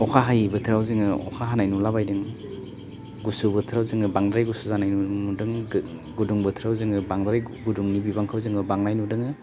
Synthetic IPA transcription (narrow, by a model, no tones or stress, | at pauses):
ɔkʰaɦajbɯtʰɯɾawzɯŋɯɔ̰kʰaɦanajnulabajdɯŋ | ɡusubɯtʰɯɾawzɯŋɯbaŋdɾajɡusuzanajnunudɯŋɡuduŋbɯtʰɾawzɯŋɯbaŋdɾajɡuduŋnibibaŋkʰawzɯŋɯbaŋnajnudɯŋɯ